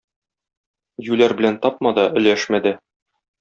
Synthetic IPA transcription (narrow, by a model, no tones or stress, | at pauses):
jʉlæɾbɘ̆lænt̪ɒp̚mɑd̪ɑʔɵ̆læʃmæd̪æ